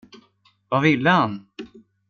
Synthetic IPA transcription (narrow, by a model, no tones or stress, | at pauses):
vavɪlːəhan